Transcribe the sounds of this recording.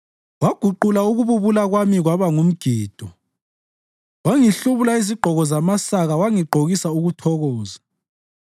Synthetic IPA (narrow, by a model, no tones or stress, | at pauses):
waɡ̥ʱuǃulauɣuβuβulaɣwamiɣwaβaŋum̩ɡ̥ʱiːd̥ʱɔ | waŋiɬuβulaiziɡ͡ǃʱɔɣɔzamasaɣawaŋiɡ͡ǃʱoɣisauɣutʰɔɣɔːza